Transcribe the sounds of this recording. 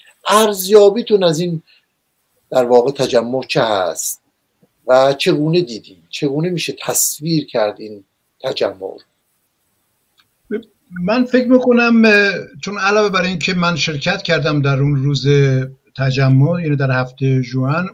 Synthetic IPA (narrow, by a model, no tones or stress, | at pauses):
ʔæɾzjɒːbiːt̪ʰunæzin | d̪̥æɾvɒːɣet̪ʰæd͡ʒæmːot͡ʃʰehæ̰st̪̚ | væt͡ʃʰe̞ɡuːned̪iːd̪iːnt͡ʃʰe̞ɡuːnemiːʃet̪ʰæsviːɾcʰæɾd̪in | t̪ʰæd͡ʒæmːo̰ɾ | mænfe̞cʰɾmiːkonæmt͡ʃʰonælɒːve̞bæɾincʰemænʃe̞ɾcʰæt̪cʰæɾd̪æmd̪æɾunɾuːzet̪ʰæd͡ʒæmːojaːniːd̪æɾhæft̪ejeʒuæn